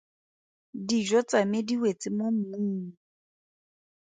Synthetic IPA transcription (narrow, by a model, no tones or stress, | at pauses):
did͡ʒɔt͡samediwet͡sʼɪmom̩uːŋ̩